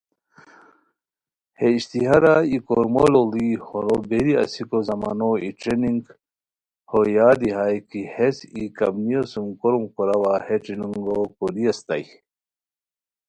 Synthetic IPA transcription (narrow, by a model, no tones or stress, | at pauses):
heiɕt̪iɦɐɾaikoɾmololihoɾobeɾiɐ̰sikozɐmaːnoiʈ͡ʂɾeniŋɡ | hojaːd̪iɦajkihesikɐ̰bnijosumkoɾumkoɾɐwaheʈ͡ʂɾiniŋɡokoɾiɐst̪a̰j